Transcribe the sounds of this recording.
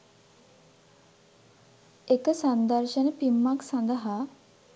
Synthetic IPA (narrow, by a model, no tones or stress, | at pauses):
ekəsand̪əɾʃənəpimːaksand̪əɦa